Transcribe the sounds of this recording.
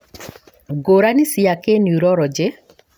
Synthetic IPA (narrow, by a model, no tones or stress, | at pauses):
ɡoɾanisɪakenjuɾɔɾɔd͡ʒe